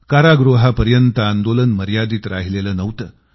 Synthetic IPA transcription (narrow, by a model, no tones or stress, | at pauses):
kaɾaɡɾuɦapəɾjənt̪əand̪olənməɾjad̪iːt̪ɾaɦileləːnəʋt̪ə